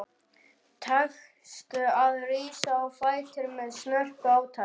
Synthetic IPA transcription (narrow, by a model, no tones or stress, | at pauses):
t̪ʰax | st̪ʏaðriːsaɔwfaːjt̪ɪɾmɛðsnœr̥kaːwt̪ʰa